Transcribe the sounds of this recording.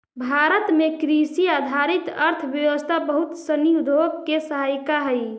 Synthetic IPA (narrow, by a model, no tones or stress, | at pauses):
bʱaɾət̪mekɾisiad̪ʱaɾit̪əɾt̪ʰbjəʋəst̪ʰabəɦut̪səniud̪ʱoɡkesəɦajkaɦəj